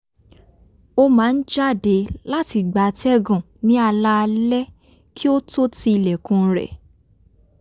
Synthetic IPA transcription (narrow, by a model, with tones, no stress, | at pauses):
o˦mãː˨˦n̩˦d͡ʒa˦˨de˨˦la˦ti˧ɡ͡ba˨tɛ˦ɡɔ̃˨ | nĩ˨˦a˧la˦˧lɛ˦ | kʰi˦o˦to˦ti˧i˧lɛ˨kũ˧ɾɛ̰˨